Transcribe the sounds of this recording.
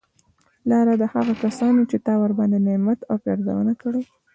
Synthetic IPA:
lɑɾad̪əhaɣakasɑnet͡ʃet̪ɑwaɾbɑnd̪enemat̪awpɑɾd̪a̰wə̰nakəɽe

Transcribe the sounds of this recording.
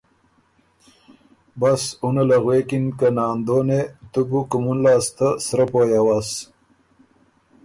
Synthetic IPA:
basunalaɣwekinkənɑːnd̪oːnet̪ubukumunlɑːst̪əsɾapoːjawas

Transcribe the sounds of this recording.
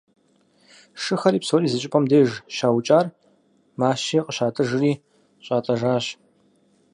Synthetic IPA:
ʂɨxɐɾiːpsoːriːzɨt͡ʃʼɪpʼɐmdeːʒʃaːwt͡ʃʼaːr | maːʃiːqʼəɕaːtʰʼɨʐɨriː | ɕʼaːtʼɐʒaːɕ

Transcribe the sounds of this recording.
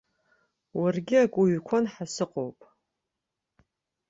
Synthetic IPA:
warɡʲɪakʷʼuɥkʷʰanħasɨqʼowpʼ

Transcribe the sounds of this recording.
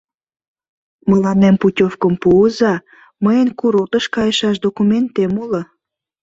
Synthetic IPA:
mə̆lɑnemputʲofkəmpuəzɑ | məjənkuɾot̪əʃkɑjəʃɑʃd̪okument̪emulə

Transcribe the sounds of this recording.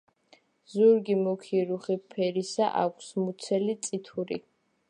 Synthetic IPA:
zuɾɡimɔkʰiɾuχipʰɛɾisaʔa̰kʷʰsmut̪sʰɛlit̪sʼit̪ʰuɾḭ

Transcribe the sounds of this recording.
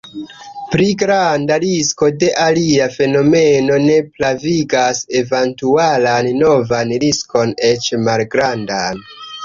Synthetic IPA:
pɾiɡɾandaɾisko̞de̞ʔaliafe̞no̞me̞no̞ne̞plaviɡase̞ventualanːo̞vanɾisko̞ne̞t͡ʃmalɡɾandan

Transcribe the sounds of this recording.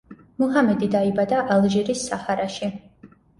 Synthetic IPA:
muɦamɛd̪id̪aibad̪aʔalˠʒɛɾisːahaɾaʃi

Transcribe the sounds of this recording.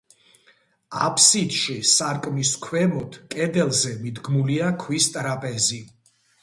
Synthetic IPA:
a̰pʰsit̪ʼʃisaɾkʼmiskʰwɛmɔt̪ʰkʼɛd̪ɛlˠzɛmid̪ɡmuliakʰwist̪ʼɾapʼɛzi

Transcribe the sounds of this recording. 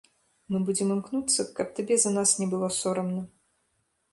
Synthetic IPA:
mɨbud͡zʲɛmɨmknut̪sːɐkɐp̚t̪abʲɛzɐnasnʲɛbɨlˠɔsɔɾɐmnɐ

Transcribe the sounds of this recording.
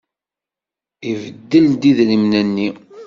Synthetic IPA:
ivəd̪ːəld̪iðɾimnənːi

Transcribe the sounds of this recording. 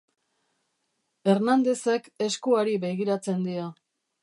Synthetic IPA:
e̞ɾnand̪e̞seke̞skuaɾiβe̞ɣiɾat͡se̞nd̪ia

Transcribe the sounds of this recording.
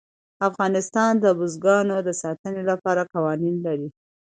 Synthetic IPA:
afɣɑnɪst̪ɑnd̪əbʊzɡɑnod̪əsɑt̪ənelapɑɾakɑwɑninlaɾi

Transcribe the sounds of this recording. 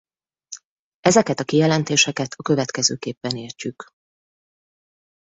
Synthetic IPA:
ɛzɛkɛt̪ɒkijɛlɛnt̪eːʃɛkɛt̪ʰɒkø̞vɛt̪kɛzøːkeːpːɛneːrt͡ʃyk

